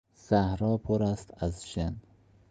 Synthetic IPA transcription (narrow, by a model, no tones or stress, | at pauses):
z̥æhɾɒːpʰoɾæst̪æzʃen